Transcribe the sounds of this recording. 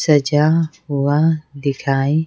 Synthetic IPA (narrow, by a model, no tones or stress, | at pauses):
sɐd͡ʒaː | ʊwaːd̪ɪkʰaːi